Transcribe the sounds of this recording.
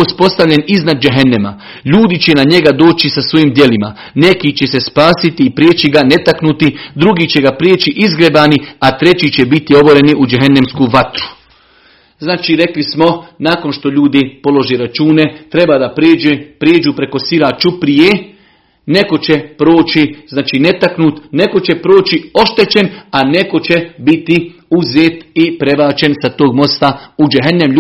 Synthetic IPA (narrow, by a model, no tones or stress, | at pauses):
ospo̞st̪aʋʎʲe̞niznad̪̚d͡ʒeɦenema̰ | ʎuːd̪it͡ɕe̞naɲe̞ɡad̪o̞ːt͡ɕisasʋo̞jiːmd̪je̞lima̰ | ne̞kiːt͡ɕe̞se̞spaːsit̪iːpɾjeːt͡ɕiɡane̞t̪aknut̪id̪ɾuɡiːt͡ɕe̞ɡapɾeːt͡ɕiʔizɡɾebaːniat̪ɾe̞t͡ɕiːt͡ɕebit̪io̞bo̞ɾe̞niʔud͡ʒeɦenemskuːʋat̪ɾu̥ | znaːt͡ʃiːɾe̞klismo̞naːko̞nʃt̪o̞ʎuːd̪ipo̞lo̞ʒeːɾat͡ʃuːne̞t̪ɾe̞baːd̪apɾeːd͡ʒepɾjeːd͡ʒuːpɾe̞ko̞siɾat͡ʃupɾijeː | ne̞ko̞t͡ɕepɾo̞ːt͡ʃiznaːt͡ʃiːne̞t̪aknuːt̪ne̞ko̞t͡ɕe̞pɾoːt͡ʃio̞ʃt̪e̞t͡ɕe̞nane̞ko̞t͡ɕebit̪i | uzeːt̪ipɾe̞baːt͡ʃe̞nsat̪oːɡmo̞st̪aud͡ʒeɦenːem